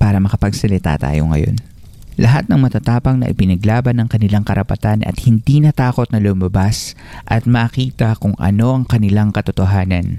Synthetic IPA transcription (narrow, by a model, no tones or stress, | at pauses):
paːɾɐmɐkɐpɐɡsɐlɪt̪a̰t̪a̰ːjo̞̰ŋɐ̰jo̞̰n | lʔɐɦat̪̚nɐŋmɐt̪ɐt̪aːpɐŋnɐ̰ʔɪpɪnɐɡlaːbɐnːɐŋkɐnɪlaŋkɐɾʔɐpɐt̪anʔɐ̰t̪̚hɪnd̪inɐt̪aːko̞t̪̚nɐlʊmɐbas | ʔɐt̪̚mɐːkiːt̪ɐkʊŋʔɐ̰no̞ʔɐŋkɐnɪlaŋkɐt̪ot̪oɦaːnɐ̰n